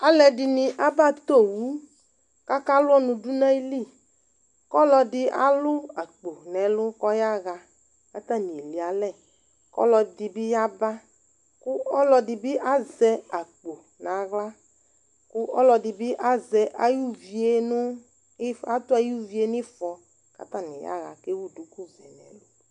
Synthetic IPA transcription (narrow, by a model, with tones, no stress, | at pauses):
a˨lɛ˨dɪ˨nɪ˨ʔa˦ba˦˨t̪o˦˨wu˦ | ka˦ka˦lʊ˦ɔ˦nʊ̃˨du˦nã˦i˦li˦˨ | kɔ˦lɔ˧dɪ˨a̰˨lʊ˦a˨k͡po˨nɛ˨˦lʊ˦kɔ˦ja˦ɣa˨ | ka˦t̪a˦nĩ˨li˨a˨lɛ˦˨ | kɔ̰˦lɔ˧dɪ˨bɪ˦ja˦ba˦ | kʊ˦ɔ˦lɔ˧dɪ˨bɪ˦ʔa˦zɛ˦a˨k͡po˨ | na˨ɣla˦ | kʊ˦ʔɔ˦lɔ˨˧dɪ˨bɪ˦ʔa˦zɛ˨ʔa˨˦ju˦vi˨e˦nʊ˦ | a˦tʊ˦a˨ju˦vi˨˦e˦n˦ɪ˦fɔ˨ | ka̰˦t̪a˦˨nɪ˨ja̰˦ɣa̰˨ke˦wu˦du˨ku˦zɛ˨nɛ̰˨lʊ˦